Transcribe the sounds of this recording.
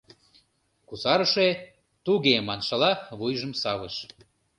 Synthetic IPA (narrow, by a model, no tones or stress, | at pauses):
kusɑɾəʃe | t̪uɣemɑnʃɤ̆lɑβujʒə̆msɑβəʃ